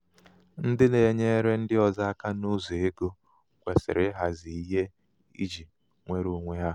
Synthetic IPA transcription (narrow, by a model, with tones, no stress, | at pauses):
n̩˦dɪ˦ne˨˦ɲe˦ɾe˦n̩˦dɪ˦ɔ˨za˦a˦ka˦nu˦zo˨e˦ɡo˦ | kʷe˨sɪ̰˨ɾɪ˦ɦa˨zi˨i˦ɦe˦ | ḭ˦d͡ʒi˨ | ŋʷe˦ɾu˨˦ŋʷe˨ɦa˦